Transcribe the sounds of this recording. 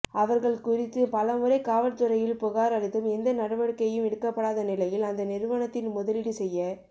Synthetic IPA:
ɐʋɐɾɣɐɭkʊrɪt̪ːɯpɐlɐmɯɾɐɪkaːʋɐʈt̪ːɯɾɐjɪlpʊɣaːɾɐɾɪt̪ːɯmɛnd̪ɐnɐɽɐʋɐɽɯkːɐjɯmɛɽɯkːɐpːɐɽaːðɐnɪlɐjɪlɐnd̪ɐnɪɾɯʋɐɳɐt̪ːɪnmʊðɐlɪɽisɛjːɐ

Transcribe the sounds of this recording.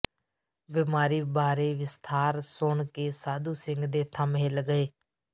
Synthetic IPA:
bɪmaːɾiːbaːɾeːʋɪst̪ʰaːɾsʊɳkeːsaːd̪uːsɪ̃ŋɡd̪eːt̪ʰəmɦeːlɡəeː

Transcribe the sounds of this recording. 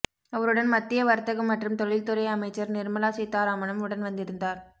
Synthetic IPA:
ɐʋɐɾɯɽɐnmɐt̪ːɪjɐʋɐɾt̪ːɐɣɐmːɐʈrɯmt̪ɔɻɪlt̪ɯɾɐɪɐmɐɪt͡ʃːɐɾnɪɾmɐlaːsɛt̪ːaːɾaːmɐnɐmʊɽɐnʋɐnd̪ɪɾɯnd̪aːɾ

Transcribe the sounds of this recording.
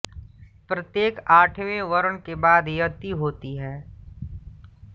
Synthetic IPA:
pɾət̪jeːkaːʈʰʋẽʋɐɾəɳkebaːd̪jət̪iɦoːt̪iɦɛ̃ː

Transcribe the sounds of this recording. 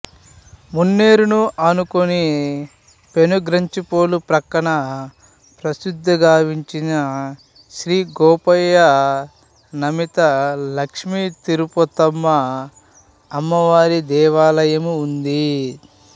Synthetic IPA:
munːeːɾunuʔɐnukoni | pe̞nuɡɾɐɲt͡ʃipoːlupɾɐkːɐɳɐ | pɾɐsud̪ʱːɐɡaːʋiɲt͡ʃinɐ | ʃɾiːɡɔːpɐjɐ | nɐmit̪ɐlɐkʂmit̪iɾupɔt̪ɐmːɐ | mːɐʋaːɾid̪ɛːʋaːlɐjɐmuːnd̪i

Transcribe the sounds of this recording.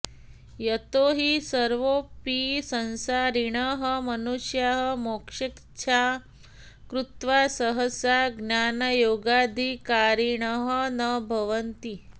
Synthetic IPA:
jət̪oɦisəɾʋopisənsaɾiɳəɦəmənuʃjaɦəmokʂik | t͡ʃʰa | kɾut̪ʋasəɦəsaɡnjanəjoɡad̪ʱikaɾiɳəɦənəbʱəʋənt̪i

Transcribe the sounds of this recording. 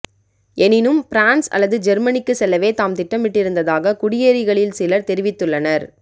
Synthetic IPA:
ɛnɪnɯmfɪɾaːnsɐ̰lːɐðɯd͡ʒɛɾmɐnɪkːɯsɛlːɐʋeːt̪aːmt̪ɪʈːɐmɪʈːɪɾɯnd̪ɐðaːɣɐkʊɽɪjeːɾɪɣɐɭɪlsɪlɐɾt̪ɛɾɪʋɪt̪ːɯɭːɐnɐɾ

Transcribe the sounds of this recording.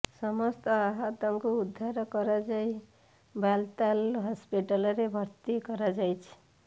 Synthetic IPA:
sʌmʌst̪ʌaɦat̪amkoud̪ʱːaɾʌkʌɾad͡zaj | balt̪alɦʌspiʈalʌɾebʱʌɾt̪ikʌɾad͡zajt͡ʃʰ

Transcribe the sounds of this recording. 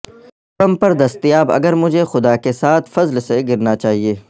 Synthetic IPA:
t̪ɐmpɐɾd̪ɐst̪ijaːbɐ̰ɡəɾmʊd͡ʒʱexʊd̪akesaːt̪ʰfɐzlseɡɪɾnat͡ʃaːɦieː

